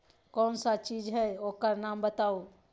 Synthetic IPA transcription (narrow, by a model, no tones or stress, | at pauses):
kɔːnsat͡ʃiːd͡ʒɦɛoːkəɾnaːmbət̪aːu